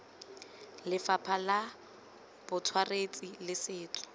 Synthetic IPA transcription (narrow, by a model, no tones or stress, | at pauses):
lɪfapʰala | b̥ʊtʰwaret͡sʼilɪsɪːt͡sʰʼɔ̥